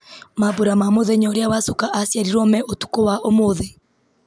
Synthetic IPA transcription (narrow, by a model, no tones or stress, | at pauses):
maboɾamamoðeɲɔɾeawasukaʔasjaɾiɾɔmɛʔotu̥kowaʔomoðe